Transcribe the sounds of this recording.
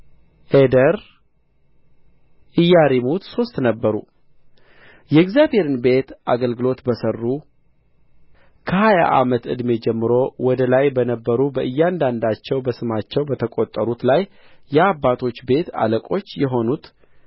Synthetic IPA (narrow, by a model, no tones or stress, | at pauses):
ʔed̪əɾ | ʔɨjːaɾimut̪so̞st̪nəbːəɾu | jɛɛɡzjaβhe̞ɾɨnbe̞t̪ʔa̰ɡəlɡɨlo̞t̪bəsərːu | kʰəhaja̰ʔa̰mət̪ɨ̰d̪me̞d͡ʒɛmːɨɾo̞wɔd̪əlajbənəbːəɾubəʔɨjːand̪and̪at͡ʃːɛwbəsɨmat͡ʃːɛwbət̪ʰəkʼo̞t̪ʼːəɾut̪lajː | ɛabːat̪ʰo̞t͡ʃːbe̞t̪a̰ləkʼo̞t͡ʃːjɛɦo̞nut̪